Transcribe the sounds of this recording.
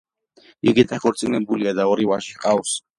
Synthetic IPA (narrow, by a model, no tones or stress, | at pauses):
iɡid̪akʰɔɾt̪sʼinɛbuliad̪aɔɾivaʃi̥qʼaws